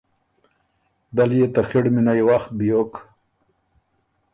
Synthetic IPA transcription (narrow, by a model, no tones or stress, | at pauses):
d̪aljet̪axiɽminajwaxt̪̚bijok